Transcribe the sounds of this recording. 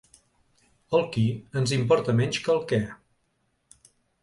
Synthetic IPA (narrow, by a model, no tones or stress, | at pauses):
əlˠkiənzimpɔɾt̪əmɛɲʲt͡ʃkəlˠkɛ